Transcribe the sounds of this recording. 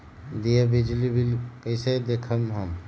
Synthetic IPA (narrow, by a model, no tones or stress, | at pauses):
d̪iebid͡ʒlibilkəɪsed̪ekʰəmɦəm